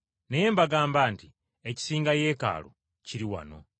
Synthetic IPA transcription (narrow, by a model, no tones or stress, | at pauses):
nejeːmbaɡaːmbaːnti | eci̥siːŋɡaje̞ːka̰ːlo̰ | ciɾiwa̰no̞̰